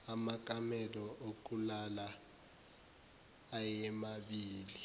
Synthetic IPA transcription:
amak̬ʼamɛlɔok̬ʼulala | jɛmaɓiːli

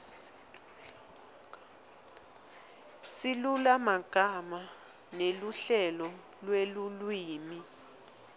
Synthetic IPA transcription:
silulamaɡ̥ʱama | neluɬɛlɔ | lwelulwiːmi

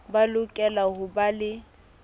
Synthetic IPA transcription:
balʊkʼɛlahʊbalɪ

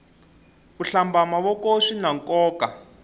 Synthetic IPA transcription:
uɬambamawɔkoʂinaŋkɔːka

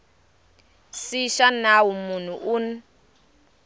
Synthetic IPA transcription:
siʃanawumun̤uʔun

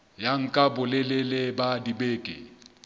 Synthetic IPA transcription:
jaŋ̩kʼabʊlɪlɪlɪbadibeːkʼɪ̰

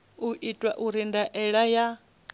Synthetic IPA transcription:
uʔitʼwaʔuɾindaʔɛɺaja

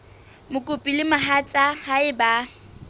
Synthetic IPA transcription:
mʊkʼʊpʼilɪmaɦat͡sʼahaɪba

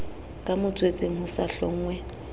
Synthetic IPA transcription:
kʼamʊt͡sʼwet͡sʼeŋ̩hʊsaɬɔ̰ŋ̩ːŋwɛ

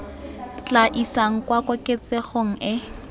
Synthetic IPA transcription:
t͡ɬʼaʔisaŋ̩kwakʼʊkʼet͡sʼeχoŋ̩ɪ

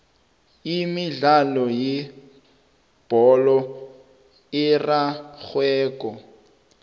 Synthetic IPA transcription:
imiɮalɔjɪ | b̥ʱɔlɔ | ɪraɣwɛːkʼɔ

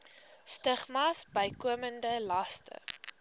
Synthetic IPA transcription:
stəχmɑsbəjkuəməndəlɐstə̰

